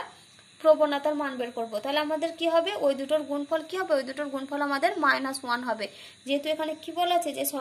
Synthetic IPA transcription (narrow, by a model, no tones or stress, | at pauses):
pɾobonːat̪aɾmanbeɾkoɾbot̪aɦeleamad̪eɾkiɦɔbeʔojd̪uʈoɾɡunpʰɔlkiɦɔbeojd̪uʈoɾɡunfʰɔlamad̪eɾmaenasuanɦɔbe | d͡ʑeɦet̪uekʰanekibɔleat͡ɕʰed͡ʑeʃɔ